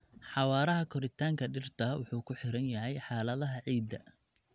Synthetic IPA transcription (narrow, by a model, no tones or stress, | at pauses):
ħɑwɑːɾɐɦɐkʰɔɾɪt̪ʰaːŋkʰɐɖɪrt̪ʰɐwʔʊħuːkʰʊħɪɾɐnjɐɦɛjħɑːlɐðɐɦɐʕiːd̪ːɐ̰